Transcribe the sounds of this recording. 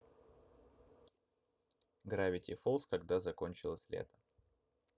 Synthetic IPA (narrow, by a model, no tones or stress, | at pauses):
ɡɾavʲɪtʲɪfolˠskɐɡd̪azɐko̞nʲt͡ɕɪlˠəsʲlʲḛt̪ə̥